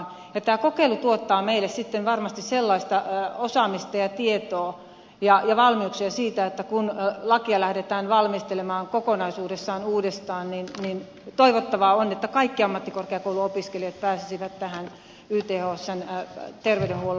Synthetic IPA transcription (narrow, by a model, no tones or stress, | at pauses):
jɑt̪æːkokeilut̪uot̪ːɑːmeilːessit̪ːenʋɑrmɑst̪isselːɑist̪ɑosɑmist̪ɑjɑt̪iet̪oː | jɑjɑʋɑlmiuksiɑsiːt̪æet̪ːækunlɑkiɑlæhdet̪æːnʋɑlmist̪elemɑːŋkokonɑisuːdesːɑːnuːdest̪ɑːnninnin | t̪oiʋot̪ːɑʋɑonet̪ːækɑikːiɑmːɑt̪ːikorkeɑkouluopiskelijɑt̪̚pæːsisiʋæt̪tæhæn | yːt̪eːhoːsːent̪erʋeydɾenhuolːe